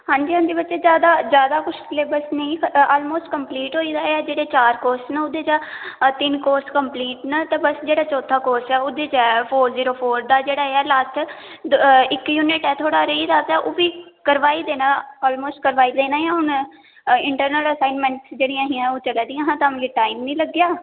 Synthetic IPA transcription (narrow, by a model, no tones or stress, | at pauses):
ɦãːɲd͡ʒiːɦõnd̪eːbətːʃeːd͡ʒjaːd̪aːzjaːd̪aːkʊʃʰleːbəsnəĩːɔːlmoːsʈ̚kəmpliːʈɦoːiːd̪aːeɛːd͡ʒeːɽeːt͡ʃaːɾkoːssnəʊd̪eːt͡ʃaːt̪ɪnkoːɾskəmpliːʈnət̪ẽːbəsd͡ʒeːɽaːt͡ʃɔːt̪ʰːaːkoːɾsɛːʊd̪eːt͡ʃɛːpʰoːɾziːɾoːpʰoːɾd̪aːd͡ʒeːɽaːeɛːlaːsʈ̪ʰ | ɪkjuːnɪʈɛːt̪ʰoːɽaːɾeiːd̪aːt̪ɛːʔoːʋiːkəɾʋaːiːd̪eːnãːɔːlmoːsʈ̚kəɾʋaːiːd̪eːnaːjãːɦʊn | ɪɳʈəɾnələsaːɪnmɛ̃ːɳʈsd͡ʒeːɽijãːɦĩãːoːt͡ʃəlɛːd̪ɪjãːɦãːt̪aːmːɡeːʈaːimnĩːləɡɪjaː